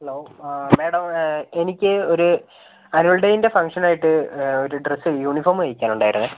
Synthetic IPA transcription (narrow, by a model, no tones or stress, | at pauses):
heloːmeːɽɐme̞nikʲːɨo̞ɾu | ɐnuɐɭɖɐjinde̞fɐŋkʂɐnaːjiʈːɨoɾuɖrɐsːɨjuːɳiformɨʋɐjikʲːaːnuɳɖaːjiɾunːɨ